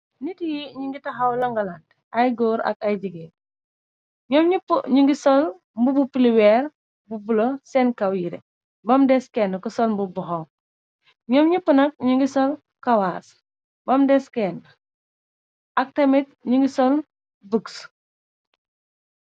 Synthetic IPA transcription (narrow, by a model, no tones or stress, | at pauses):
nitijiɲiŋɡitɐɦɐwlɐŋɡɐland | ajɡɔːɾɐ̰kɐjɟiɡe | ɲɔmɲupɲiŋɡisɔl | mbubupiliwɛɾ | bubulosɛnkɐwjiɾḛ | bɐmdɛskɛnkɔsɔlmbubɔɦɔm | ɲɔmɲupənɐk̚ɲiŋɡisɔl | kɐwas | bɐmdɛskɛn | ɐk̚tɐmit̚ɲiŋɡisɔl | buks